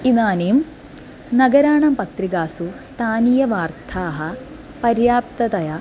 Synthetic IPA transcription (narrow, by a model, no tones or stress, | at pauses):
inaːnijum | nɐɡɐɾaːɳɐmpɐt̪riɡaːsust̪ʰaːnijɐʋaːrt̪ʰaːɦɐ | pɐɾjaːp̚t̪ɐt̪ɐjɐ